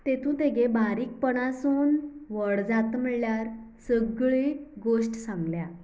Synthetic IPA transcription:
t̪et̪ũːt̪eɡebaɾiːk̚pəɳasuːnʋəɽd͡zat̪məɭljaɾsəɡɭiːɡoʂʈsãŋɡlja

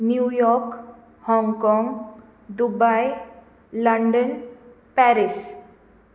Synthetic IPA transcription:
njujɔɾk | hɔ̃ŋɡkɔŋɡ | d̪ubaj | ləɳɖən | pɛɾis

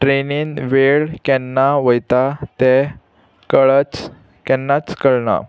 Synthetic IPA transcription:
ʈɾeniːnʋeɭkɛnːaʋəjt̪at̪ɛ | kəɭət͡s | kɛnːat͡skəɭna̰

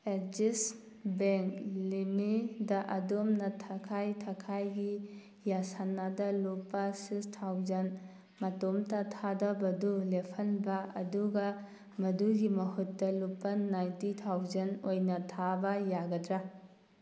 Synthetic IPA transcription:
ed͡ʒis | beŋklimidɐʔɐdomnɐtʰɐkʰajtʰakʰajɡi | jasanːadɐlupːɐsistʰawzɐn | mɐtomtɐtʰadɐbɐdulepʰɐnbɐɐ̰duɡɐ | mɐduɡimɐɦutːɐlupːɐnajntitʰawzɐnojnɐtʰabɐjaɡɐdɾa

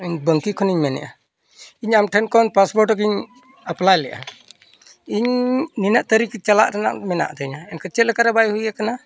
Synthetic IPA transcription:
iɲbəŋkikʰɔniɲmɛnɛ̰ʔa | iɲamʈʰɛnkɔnpasbɔɾʈɔk̬iɲ | aplajlɛʔa̰ | iɲninaʔt̪əɾikt͡ʃala̰ʔɾana̰ʔmɛna̰ʔd̪ɛɲaɛnkət͡ʃɛt̪̚lɛkaɾabajhujakana

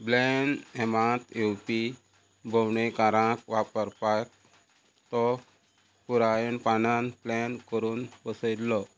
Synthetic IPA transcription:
blɛnɛmãt̪epi | bʱəwɳekaɾãkʋapəɾpajk̚ | t̪ɔ | puɾajenpananplɛnkəɾuːnpəsəjd̪lɔ

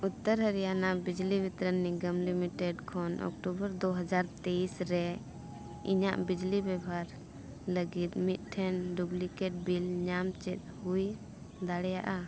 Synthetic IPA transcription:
ut̪ːəɾɦəɾijanaʔbid͡ʒlibʱit̪ɾənːiɡəmlimiʈɛɖkʰɔnʔɔ̰kʈubəɾd̪ɔɦəd͡ʒaɾt̪eisɾɛ | ḭɲaʔbid͡ʒlibɛbʱaɾ | ləɡit̪̚mit̪̚ˀʈʰɛnɖublikɛʈ̚bilɲamt͡ʃɛt̪̚ˀhuj | d̪aɽɛjaʔa

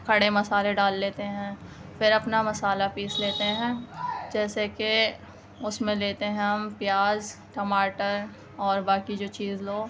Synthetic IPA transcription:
kʰɐɽemɐsaːleɖaːlːeːt̪eɦɛ̃ːfɪɾɐpnamɐsaːlapiːsleːt̪eɦɛ̃ːd͡ʒɛːseke | ʊsmẽleːt̪eɦɛ̃pjaːz | ʈɐmaːʈəɾ | ɔːɾbaːkid͡ʒoːt͡ʃiːzloː

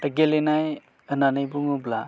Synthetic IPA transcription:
əɡelenaj | ɯnanɯjbuŋubla

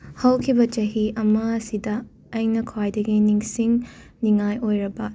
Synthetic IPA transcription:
hɐwkʰibɐt͡ʃɐɦiʔɐmɐɐsidɐː | jnɐkʰwajdɐɡiniŋsiŋniŋajojɾɐbɐ

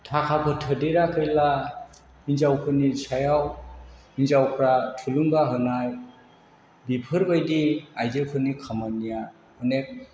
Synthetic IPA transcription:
tʰakʰapʰɯtʰɯdeɾakʰɯjla | inzawkʰɯnisajaw | inzawkʰɾatʰuluŋbaɦɯnaj | bipʰɯɾbajdiajzɯkʰɯnikʰamanija | ɯnek̚

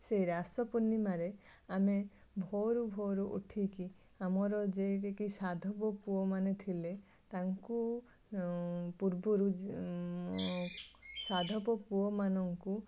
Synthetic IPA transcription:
sejɾasɔpunimaɾeame | bʱɔɾubʱɔɾuʔṵʈʰiki | amɔɾɔd͡ʒeɾekisad̪ʱɔpɔpuɔmanet̪ʰile | t̪aŋku | puɾbuɾu | sad̪ʱɔpɔpuɔmanɔŋku

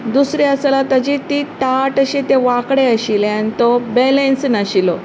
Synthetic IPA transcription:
d̪usɾiəsəlat̪əd͡ʑit̪it̪aʈəɕit̪eʋakɽeəɕilanit̪ɔbelẽnsnaɕilɔ

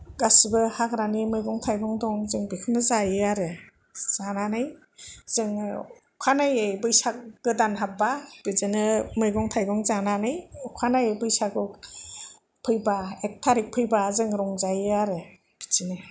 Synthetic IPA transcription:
ɡasibɯhakɾanimɯjɡɔŋtʰajɡɔŋdɔŋzɯŋbikʰɯmnɯzajɯaɾɯ | z̥ananɯj | z̥ɯŋ | kʰanajebɯjsak̚ɡ̥ɯdanɦabab̥ɯzɯnɯmɯjɡɔŋtʰajɡɔŋzananɯjukʰanajebɯjsaɡɔ | pʰɯjbaek̚tʰaɾik̚pʰɯjbazɯŋɾɔŋzajɯaɾɯ | b̥it͡ʃinɯ

